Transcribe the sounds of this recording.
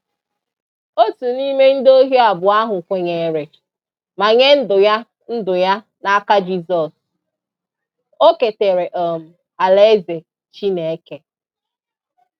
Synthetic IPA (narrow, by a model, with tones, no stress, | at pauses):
o˦tu˨ni˦me˦n̩˦do˦ɦji˦a˨bʊ˨a˦ɦʊ˨kʷe˨ɲe˨ɾe˨ | ma˨ɲe˦n̩˦dʊ˨ja˦ | n̩˦dʊ˨ja˦ | na˦ka˦d͡ʒi˦zɔ˨s | o˦ke˨te˨ɾe˨ʔɔ˨m̩˨ | a˨le˦ze˨ | t͡ʃi˦ne˨˦ke˨